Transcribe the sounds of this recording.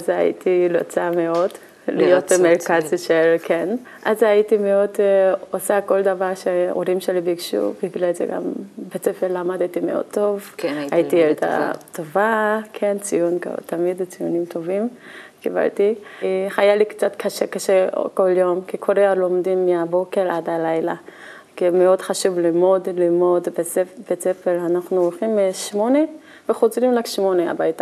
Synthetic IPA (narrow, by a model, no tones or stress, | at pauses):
aza̰jḭt̪ʰilot͡sameo̞d | lijot̪meʁkazʃelkʰen | ʔazajitimeo̞d̪osako̞ld̪avaʁʃeo̰ɾimʃelibeikʃṵbiɡlalzḛɡa̰mbet͡sefeɾlamad̪t̪imeo̰d̚t̪o̞vajit̪ield̪a̰t̪ovakʰe̞nt͡sijunka̰t̪amid̪t͡sijunimt̪o̞vim | kiba̰ltiχajalikt͡sat̪kʰaʃekaʃḛko̞ljo̞mkikʰoɾealomdimːiabo̞keʁʔadhalajla | kimeo̞dχaʃuvlimodlimodbeb̥et͡sefelanaχnuolχimːeʃmo̞ne | veχozlimlakʃmo̞nea̰bajta